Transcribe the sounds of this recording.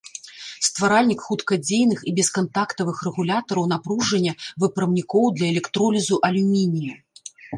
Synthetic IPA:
st̪vaɾalʲnʲikxut̪kɐd͡zʲejnɨxibʲɛskant̪akt̪ɐvɨxrɛɣulʲat̪ɐɾɐwnapɾuʐɐnʲːɐvɨpɾɐmnʲikɔwd̪lʲɐɛlʲɛkt̪ɾɔlʲizuʔɐlʲumʲinʲijɐ

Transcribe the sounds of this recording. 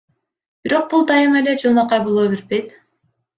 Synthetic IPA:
b̥iɾo̞q̚bulˠd̪ɑjɯme̞le̞d͡ʒɯlˠmɑqɑjbolˠoːbeɾpejt̪

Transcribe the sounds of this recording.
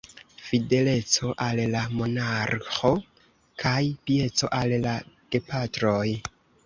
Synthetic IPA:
fide̞le̞t͡so̞ʔallamo̞naɾxo̞ | kʰajpije̞t͡so̞ʔallaɡ̥e̞patɾoj

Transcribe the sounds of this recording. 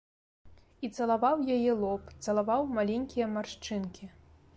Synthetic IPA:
it̪sɐlˠavawjajɛlˠɔpt̪sɐlˠavawmalʲenʲkʲijɐmarʂt͡ʂɨnkʲʰi

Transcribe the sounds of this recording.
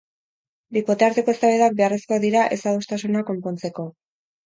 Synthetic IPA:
biko̞t̪e̞aɾt̪e̞ko̞est̪aβeðak̚be̞aresko̞ðiɾaʔe̞saðust̪asunako̞mpo̞nt͡se̞ko̞

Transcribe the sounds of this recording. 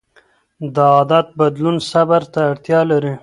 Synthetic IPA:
d̪əɑːd̪at̪̚bad̪lunsabaɾt̪aːɽt̪jɑlaɾi

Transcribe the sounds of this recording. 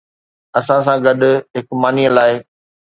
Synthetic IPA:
ɐsãs̬ãɡɐɗʊ̆ɦɪkmaːniəlaːɪ

